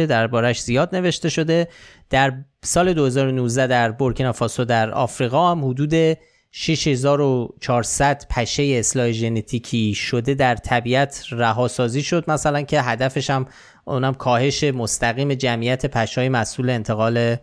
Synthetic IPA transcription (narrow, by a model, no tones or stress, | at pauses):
ed̪æɾbɒːɾæʃz̥ijɒːd̪ne̞ve̞ʃt̪e̞ʃo̞d̪e̞ | d̪̥æɾsɒːle̞d̪ohe̞zɒːɾo̞nuːzd̪æd̪æɾbo̞ɾkʰenɒfɒːsod̪æɾɒ̰ːfɾiːɣɒːhæmhod̪uːd̪e̞ | ʃiʃhe̞zɒːɾo̞t͡ʃʰɒːɾsæd̪̥pʰæʃe̞jeːslɒːheʒe̞net̪ʰiːcʰiːʃo̞d̪e̞d̪æɾt̪ʰæbiæt̪ʰræɦɒːsɒːziːʃo̞d̪̚mæsælæncʰe̞ɦæd̪æfe̞ʃæm | unæmkʰɒːhe̞ʃe̞mo̞st̪æɣiːme̞d͡ʒæmʔijæt̪ʰe̞pʰæʃɒːjemæsʔuːle̞eːnt̪ʰe̞ɣɒːle